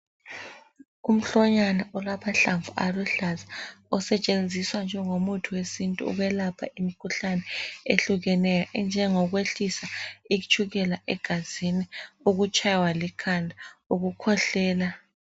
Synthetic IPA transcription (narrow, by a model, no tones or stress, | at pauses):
um̩ɬɔɲanaʔɔlapʰaɬaɱvuʔaluɬazaɔsɛt͡ʃʼend͡zʱiswand͡ʒʱɛŋomutʰuwesintʼṵṵɣwɛlapʰa̰ʔimikʰuɬanɛeɬuɣɛnɛjɔʔnd͡ʒʱɛŋɔɣweɬisaiut͡ʃʰʼuɣɛlaʔɛɡ̥ʱaziniuɣut͡ʃʼajwalikʰandʱauɣukʰɔɬɛːla